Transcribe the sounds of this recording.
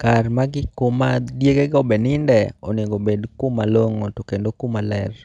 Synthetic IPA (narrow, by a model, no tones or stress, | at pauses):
karmaɡɪkomadjeɡeɡɔbɛnɪndɛɔneɡobedkumaloŋotokendokumalɛr